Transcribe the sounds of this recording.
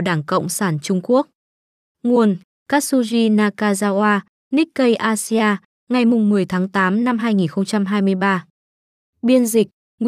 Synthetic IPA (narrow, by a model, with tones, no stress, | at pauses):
ɗaː˧˩ŋkə̰˧˨wŋ͡msaː˧˩nt͡ɕʊ˧ŋ͡mku˦˥ək̚ | ŋu˨˩ən | kaː˦˥su˧zi˧naː˧kaː˧zaː˧ʔaː˧ | ni˦˥k̚kə˧jʔaː˧si˧aː˧ | ŋa˨˩jmʊ˨˩ŋ͡mːɨ˨˩əjt̪ʰaː˨˦ŋt̪aː˨˦mna˧mɦaː˧jŋi˨˩nxə˧wŋ͡mt͡ɕa˧mɦaː˧jmɨ˧əjɓaː˧ | ɓi˧ənzï˨˩k̚